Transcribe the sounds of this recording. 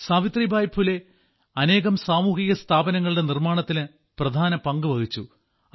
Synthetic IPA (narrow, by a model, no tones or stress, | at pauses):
saːʋit̪ribʱaːjpʰule̞ | ɐne̞ːɣɐmsaːmuːɦiɣɐst̪ʰaːbɐnɐŋːɐɭiɽe̞nirmaːɳɐt̪ːilɨ | prɐd̪ʱaːnɐpɐŋɡɨʋɐɣit͡ɕːu